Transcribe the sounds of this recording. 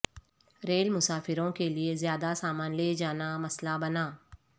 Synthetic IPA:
ɾeːlmʊsaːfɪɾõkeliezjaːd̪asaːmaːnleːd͡ʒaːnamɐslabɐnaː

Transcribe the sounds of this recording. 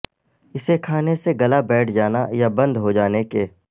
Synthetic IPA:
ɪsekʰaːneseɡɐlabɛːʈʰd͡ʒaːnajabɐ̃nd̪ɦod͡ʒaːnekeː

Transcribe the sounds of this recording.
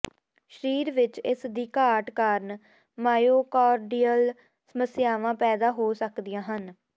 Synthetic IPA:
ʃəɾiːɾʋɪt͡ʃɪsd̪iːkaːʈkaːɾn | maːjoːkaːɾɖiːəl | səməsɪjaːʋãːpɛːd̪aːɦoːsəkd̪ɪjãːɦən

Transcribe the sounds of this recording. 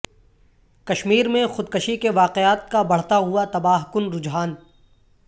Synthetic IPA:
kɐʃmiːɾmẽxʊd̪kəʃikeʋaːqeaːt̪̚kabɐɽ̤t̪aɦuat̪ɐbaːɦkʊnɾʊd͡ʒɦaːn

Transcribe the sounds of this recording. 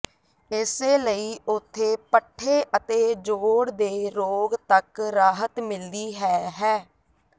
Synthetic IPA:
ɪseːləiːʊt̪ʰːeːpəʈʰːeːʔət̪eːd͡ʒoːɽd̪eːɾoːɡt̪əkɾaːɦət̪mɪld̪iːɦɛːɦɛː

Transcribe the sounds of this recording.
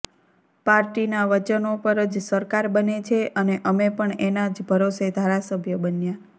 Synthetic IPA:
paɾʈinaʋət͡ʃənopəɾəd͡ʒsəɾkaɾbənet͡ʃʰeʔəneʔəmepəɳenad͡ʒbʱəɾosed̪ʱaɾasəbʱjəbənja

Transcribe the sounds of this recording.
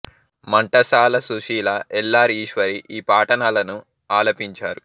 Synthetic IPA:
mɐɳʈɐsaːlɐsuʃiːlɐʔɛlːaːɾiːʃʋɐɾiʔiːpaːʈɐnalɐnu | aːlɐpiɲt͡ʃaːɾu

